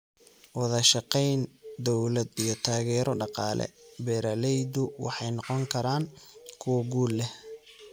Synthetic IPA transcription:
wɑðɐʃɑqɛjnd̪ɔwlɐd̪ijɞt̪ʰaːɣɛːɾɔɖɑqɑ̰ːlɛ̰bɛɾɐlɛjd̪ʊwɑ̰ħɑjnɔqɔŋkʰɐɾaːŋkʰʊwɐɡuːlːɛh

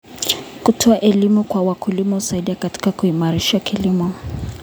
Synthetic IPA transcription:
kutʰɔaʔɛlimukwawakulimɔusaiɗiakati̥kakuimaɾiʃakilimɔ

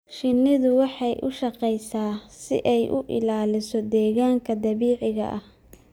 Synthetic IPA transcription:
ʃɪnːɪðʊwɑħɑjʔʊ̰ʃɑqɛjsaːsɪ̰ʔɛjʔʊʔɪ̰laːlɪsɔd̪ɛːɣaːŋkʰɐd̪ɐβiːʕɪɣɐ̰ʔɐh

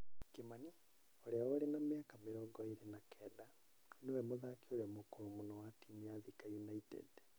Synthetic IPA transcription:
kemani | oɾeaoɾenameakameɾɔːɡɔiɾenakʰɛda | newɛmoðakeoɾɛmokoɾomonɔwatiniaðikajunaitɛ̰d

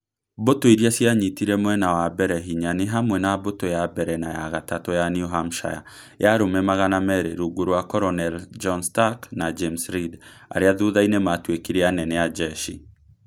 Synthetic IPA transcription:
botoiɾiasjaɲitiɾɛmoɛnawabɛɾɛɦiɲaneɦamwɛnabotojabɛɾɛnajaɣatatojaniuɦamʃa̰ja̰ | jaɾomɛmaɣanamɛɾeɾuɡoɾwakɔɾɔnɛld͡ʒɔnstaknad͡ʒemsɾid | a̰ɾeaðuðainematwekiɾeanɛnɛjad͡ʒɛʃi

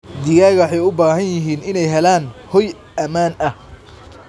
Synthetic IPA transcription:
d̪ɪɣaːɣɐħɛjʊbaːɦɐnjɪɦiːnɪnɛjɦɛlaːnhɔj | ɐmaːnɐh

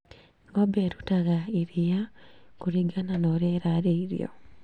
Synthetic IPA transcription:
ŋɡobeɾutaɣaiɾijakuɾiɡananoɾeɾaɾeiɾḭo̰

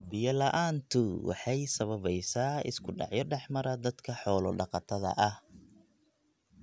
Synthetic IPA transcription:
bɪjɐlɐʔaːnt̪ʰʊwɑ̰ħɑjsɐβɐβɛjsaːɪ̰skʰʊɖɑ̰ʕjɔɖɛħmɐɾɐd̪ɐd̪kʰɐħɔːlɔɖɑqɑt̪ʰɐðɐ̰ʔɐh

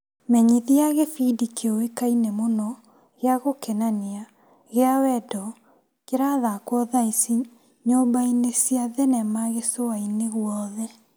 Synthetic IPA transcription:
mɛɲiðiaɣefidikʰeowekainemonɔ | ɣeaɣokɛnanea | ɣeawɛdɔ | keɾaðakwɔðaisi | ɲobainesjaðɛnɛmaɣesoaineɣwɔðɛ

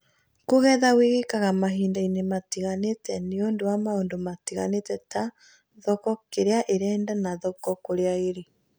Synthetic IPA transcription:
koɣɛðaweɣekaɣamaɦiːndainematiɣanetɛneondowamaoːndomatiɣa̰netɛta | ðɔkɔkeɾeaʔeɾɛːndanaðɔkɔkoɾeaeɾe

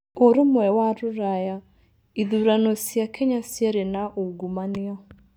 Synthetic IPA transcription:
oɾomwɛwaɾʊɾaja | iðuɾanosijakʰɛɲasjɛɾenaʔoɡumania

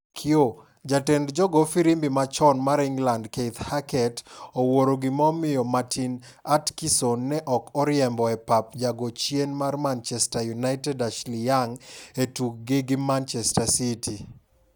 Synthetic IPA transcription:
kʰɪo | d͡ʒatɛndd͡ʒɔɡɔfiɾimbimat͡ʃɔnmaɾɪŋɡlandket̪hakɛtowoɾoɡɪmɔmɪjɔmatʰin | atkisonːɛʔɔkɔɾjɛmbɔɛpapd͡ʒaɡot͡ʃjenmarmant͡ʃɛstajunaɪtɛdaʃlijaŋetuk̚ɡɪɡɪmant͡ʃɛstasitʰi

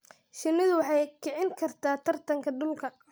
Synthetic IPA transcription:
ʃɪnɪðʊwɑħɑjkʰɪʕɪŋkʰɐrt̪ʰaːt̪ʰɐrt̪ʰɐŋkʰɐɖʊlkʰɐ

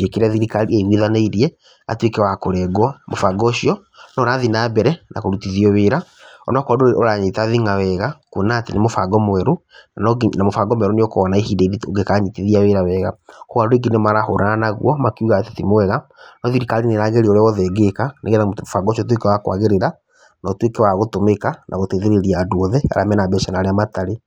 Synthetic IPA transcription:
ekeɾaðiɾikaleɣwiðaneiɾiɛ | a̰twekɛwakoɾɛɡwamofaɡɔɕiɔ | nɔɾaðinaːbɛɾɛna̰koɾutiðiɔweːɾaɔnɔkwadooɾaɲetaðiŋawɛɣakunaːtenemofaɡɔmowɛɾunanɔɡnamofaɡɔmwɛɾuneokoɔnaehideiɾioɡekaɲiteðiaweɾawɛɣakoɣaɾoɾeɡinemaɾaho̰ɾananaɣw̰ɔmakiuɣatatimowɛɣanɔðiɾikaɾineɾaɣeɾioɾeɔɔðɛɡekanʔeɣɛtammofaɡɔʃɔt̬wekewakwa̰ɣeɾeɾa | natwekewaɣotomekanʔa̰ɣoteðeɾeɾiadwɔðɛa̰ɾa̰mɛnabɛɛʃanaɾeamataɾe

